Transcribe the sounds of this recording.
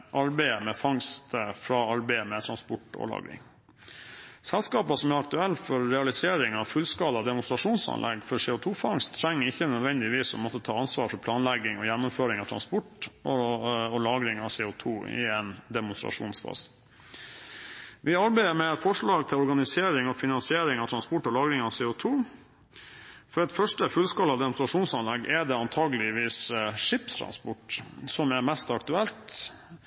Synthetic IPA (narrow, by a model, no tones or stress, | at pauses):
ʔɑɾbæɪəmɛfɑŋst̪əfɾɑɑɾbæɪəmɛt̪ʰɾɑnspɔʈːɔ̰lɑ̰ːɡɾɪ̰ŋ | sɛlskɑːpəsɔmæɾɑk̚t̪ʉɛlːfɔɾːɛɑlɪseːɾɪŋɑʋfʉlskɑːləɑd̪ɛmʊnst̪ɾɑʂuːnsɑ̰nlʔɛ̰ɡfɔseːʊt̪ʰuːfɑŋst̪ʰːɾæŋːəɾɪçːənœd̪ʋɛnd̪ɪʋiːsɔ̰mɔt̪ːət̪ʰɑːɑnsʋɑːɾfɔpʰlɑːnlæɡɪŋɔjænːʊmføːɾɪŋɑʋt̪ʰɾɑ̰nspɔʈɔɔlɑːɡɾɪŋɑseːʊt̪ʰuːɪ̰ɛnd̪ɛmʊnst̪ɾɑ̰ʂṵːnsfɑ̰ːs | ʋɪɑɾbæɪd̪əɾmɛɛt̪fɔʂɭɑːɡt̪ʰɪlɔɾɡɑnɪsɪeːɾɪŋɔfɪnɑnsɪeːɾɪŋɑʋt̪ʰɾɑnspɔʈːɔlɑːɡɾɪŋɑsɛːʊt̪ʰuː | fɔɾɛt̪fœʂʈəfʉlskɑlːɑd̪ɛmʊnst̪ɾɑʂuːnsɑnlɛɡːɛd̪ɛɑnt̪ʰɑːɡəlɪʋiːsʂɪpt̪ʰɾɑ̰nspɔʈsɔmæɾmɛst̪ɑkt̪ʉɛlt̪